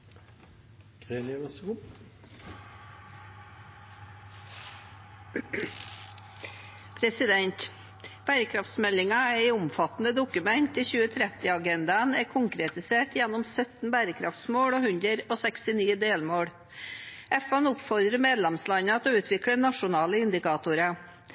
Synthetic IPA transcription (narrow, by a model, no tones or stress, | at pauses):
kʰeːnʋɛsʊ | pʰɾɛsɪd̪ɛnt̪ | b̥æːɾəkʰɾɑft̪smɛlːɪŋɑæɪʊmfɑt̪nəd̪ʊkʉmɛnt̪ɪçʉːət̪ʰɾɛt̪ɪɑɡɛnd̪ɑnɛkʰʊŋkɾɛt̪ɪseːʈʰjɛnːɔmsœt̪n̩bæːɾəkʰɾɑ̰ft̪smoːɽoːhʉnd̪ɾəɾoːsɛkst̪ɪniːd̪eːlmoːɽ | ɛfɛnʊpfɔɾd̪ɾəmeːd̪lɛmslɑɲəɑt̪oːʉːt̪ʰʋɪkɽənɑʂʊnɑːləɪnd̪ɪkʰɑːt̪ʊɾɑ